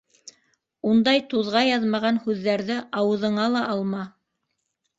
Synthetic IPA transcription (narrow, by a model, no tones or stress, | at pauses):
und̪ɑjt̪uðʁɑjɑðmɑʁɑnhʉðːæɾðɘʔɑwɤ̆ðɤ̆ɴɑlˠɑʔɑlˠmɑ